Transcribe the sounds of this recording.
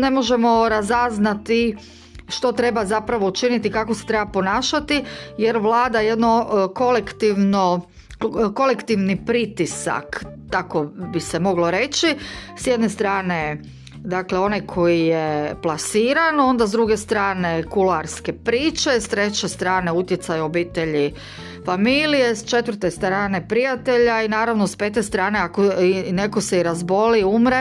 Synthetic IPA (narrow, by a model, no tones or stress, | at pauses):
ne̞mo̞ʒemo̞ɾazaznat̪i | ʃt̪o̞t̪ɾe̞bazapɾaʋout͡ʃinit̪ikakoset̪ɾe̞bapo̞naːʃat̪ijeɾʋlˠaːd̪aje̞d̪no̞kolekt̪iʋno | ko̞lekt̪iʋnipɾit̪isa̰k | t̪ako̞bisemo̞ɡlo̞ɾe̞t͡ʃisjed̪nest̪ɾaːne | d̪akleo̞najkʰo̞jijeplˠasiːɾano̞nd̪azd̪ɾuɡe̞st̪ɾaːne̞kulaɾske̞pɾiːt͡ʃe̞st̪ɾe̞t͡ɕest̪ɾaːne̞ut̪jet̪sajuobiːt̪e̞ʎi | familije̞st͡ʃe̞t̪ʋr̩t̪est̪ɾaːne̞pɾijat̪e̞ʎainaːɾaʋnospe̞ːt̪e̞st̪ɾaːne̞akoine̞ko̞seiɾazbo̞liumɾe